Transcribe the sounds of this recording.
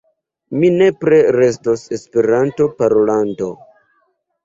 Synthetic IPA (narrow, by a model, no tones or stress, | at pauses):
mine̞pɾe̞ɾe̞s̬tose̞spe̞ɾanto̞paɾolando̞̰